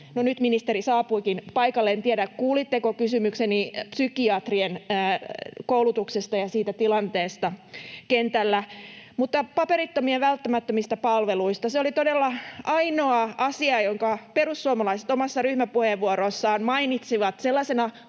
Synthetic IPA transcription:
nonyt̪minist̪eɾisɑːpuikinpɑikɑlːent̪ieɾækkuːlit̪ːekokysymyksenipsykiɑt̪rienː | koulut̪uksest̪ɑjɑsiːt̪æt̪ilɑnt̪eːst̪ɑkent̪ælːæmut̪ːɑpɑpeɾit̪ːomieʋælt̪ːæmæt̪ːømist̪æpɑlʋeluist̪ɑseolit̪odelːɑɑinoɑɑsiɑjoŋkɑperusːuomɑlɑiset̪omɑsːɑryhmæpuheʋːuoɾosːɑːnmɑinit̪siʋɑt̪selːɑsenɑ

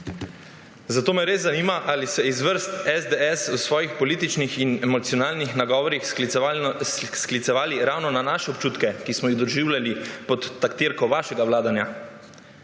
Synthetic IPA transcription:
zat̪oːmɛɾeːzːaniːmaʔalisɛizʋəɾst̪ɛzd̪eɛsusʋɔːjixpɔliːt̪it͡ʃnixinɛmɔt̪siɔnaːlnixnaɡɔːʋɔɾix | sklit̪sɛʋaːliɾawnɔnanaːʃɛɔpt͡ʃuːt̪kɛkismɔjiɣd̪ɔʒiːwlʲjalipɔt̪ːakt̪iɾkɔʋaːʃɛɡawlaːd̪anja

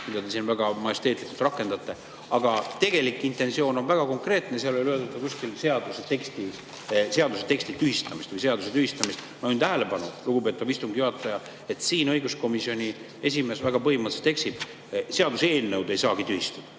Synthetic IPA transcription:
mid̪ɑd̪e̞sinvæɡ̥ɑmɑjest̪e̞ːt̪likːˑult̪rɑkːˑe̞nd̪̥ɑt̪ːˑe̞ | ɑɡ̥ɑt̪e̞ɡ̥e̞likːˑint̪e̞nsio̞ːno̞nvæɡ̥ɑko̞ŋkre̞ːt̪neseɑlo̞lʲøld̪ɑt̪ːˑɑkusʲkilse̞ɑd̪uset̪e̞kst̪i | se̞ɑd̪uset̪e̞ksʲt̪it̪yhist̪ɑmist̪vɯjs̬e̞ɑd̪uset̪yhist̪ɑmist̪ | mɑnt̪æɦele̞pɑnuluɡ̥upe̞t̪ːˑɑvist̪uŋɡjuɦɑt̪ːˑɑjɑ | e̞t̪siːnɤ̞jɡusko̞misio̞nʲi | es̬ʲime̞ːsvæɡ̥ɑpɤɦimɑt̪se̥t̪ːe̞kst̪ib | se̞ɑd̪use̞ːlnewd̪e̞jsɑːɡ̥it̪yhist̪ɑd̪̥ɑ̥

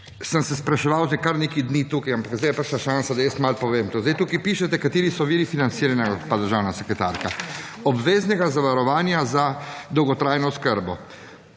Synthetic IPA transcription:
səmsɛspɾaʃɛʋawzɛkaɾnekid̪nit̪uːkajampakzd̪ejɛpəɾʃaʃansad̪ajəst̪malpɔʋeːmt̪uːzd̪ajt̪uːkipiːʃɛt̪ɛkat̪iːɾisɔʋiːɾifinant̪siːɾanakot̪pad̪əɾʒaːwnasɛkɾɛt̪aɾkaɔbʋeːznɛɡazaʋaɾɔʋaːnjazad̪ɔwɡɔt̪ɾaːjnɔskəɾbɔ

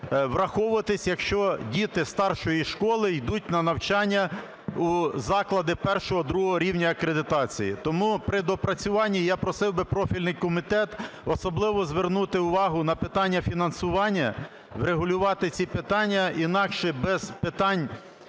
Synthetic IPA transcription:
ʋrɐxɔʋʊɐt̪ɪsʲjɐkʃt͡ʃɔdʲit̪ɪst̪ɑrʃɔjiʃkɔlˠɪjd̪ut̚ʲnɐnɐwt͡ʃɑnʲːɐ | uzɑklˠɐd̪ɪpɛrʃɔɦɔd̪ɾuɦɔɦɔɾʲiwnʲɐɐkɾed̪ɪt̪ɑt͡sʲijit̪ɔmupɾɪd̪ɔpɾɐt͡sʲʊʋɑnʲːijɑpɾɔsɪwbɪpɾɔfʲilʲnɪjkɔmit̪ɛt̪ɔsɔblˠɪʋɔzʋernut̪ɪʊʋɑɦʊnɐpɪt̪ɑnʲːɐfʲinɐnsʊʋɑnʲːɐ | wɾeɦʊlʲʊʋɑt̪ɪt͡sʲipɪt̪ɑnʲːɐinɑkʃɛbɛz̥pɪt̪ɑnʲ

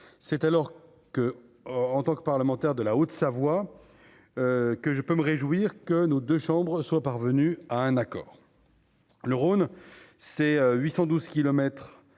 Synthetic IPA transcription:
sɛt̪alɔʁ | kə | ɑ̃t̪ɑ̃kəpaʁləmɑ̃t̪ɛʁd̪əlaot̪savwa | økəʒəpøməʁeʒwiʁkənod̪øʃɑ̃bʁəswapaʁvənyaɛ̃nakɔ̰ːʁ | ləʁonsɛøɥisɑ̃d̪uzkʲilɔmɛt̪χ

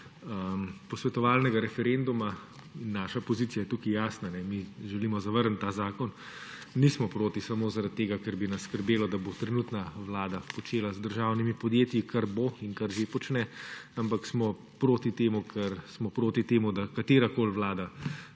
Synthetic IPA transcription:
əmpɔsʋɛt̪ɔʋaːlnɛɡaɾɛfɛɾend̪uma | inːaːʃapɔziːt̪sijajɛt̪ukijaːsnanɛmiʒɛliːmɔzɐʋəɾnt̪aːzaːkɔn | nismɔpɾoːt̪isamoːzaɾat̪̚tːeːɡakɛɾbinɐsskəɾbeːlɔd̪abot̪ɾɛnuːt̪naʋlaːd̪apɔt͡ʃeːlazd̪əɾʒawnimipɔd̪jeːt̪jikʰaɾboinkaɾʒepɔt͡ʃnɛampaksmɔ | pɾoːt̪it̪eːmukʰɛɾsmɔpɾoːt̪it̪eːmud̪akat̪eːɾakoːlʋlaːd̪a

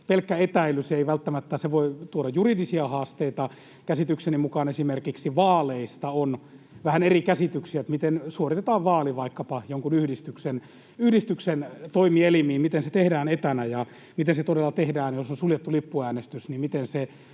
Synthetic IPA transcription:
pelkːæet̪æilyseiʋælt̪ːæmæt̪ːæseʋoit̪uoɾɑjjuridisiɑhɑːst̪eit̪ɑ | kæsit̪yksenimukɑnesimerkiksiʋɑːleist̪ɑon | ʋæhænerikæsit̪yksiæet̪mit̪ensuorit̪et̪ɑːʋʋɑːliʋɑikːɑpɑjoŋkunyhdist̪yksen | yhdist̪yksent̪oimielimiːmit̪enset̪ehdæːnet̪ænæjɑ | mit̪enset̪odelːɑt̪ehdæːnjosonsuljet̪ːulipːuæːnest̪ysnimmit̪ense

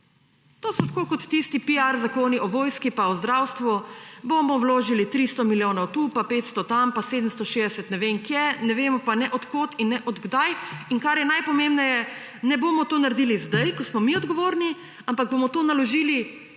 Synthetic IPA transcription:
t̪oːsɔt̪ḁkoːkɔt̪ːist̪ipiaɾzakoːniʔɔʋoːjskipaɔzd̪ɾaːwst̪ʋubomɔwloːʒilit̪ɾist̪ɔmiljoːnawt̪upapeːt̪st̪ɔt̪ampaseːd̪əmst̪ɔʃed̪ɛsɛt̪nɛʋeŋkjɛnɛʋeːmɔpanɛʔɔt̪koːt̪inːɛʔɔd̪ɡd̪ajiŋkaɾjɛnajpɔmembnɛjɛ | nɛboːmɔt̪oːnaɾd̪iːlizd̪ajkɔsmɔmiɔd̪ɡɔʋoːɾni | ampaɡ̚bomɔt̪oːnalɔʒiːli

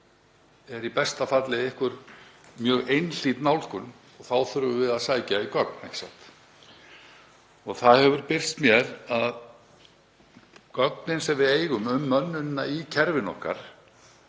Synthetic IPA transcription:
ɛɾipɛst̪afat̪lɪðehkvʏɾmjœːɣejnl̥iːt̪nawlkʏn | ɔɣθawθʏɾvʏvɪðaðsaːjcaikœk̚n̥ejksa̰ht̪ | ɔɣθaðhɛvʏɾpɪr̥st̪mjɛɾað | kɔknɪnsɛmvɪðeːjɣʏmʏmːœnːʏnːaicʰɛɾvɪnɔ̰hka̰ɾ̥

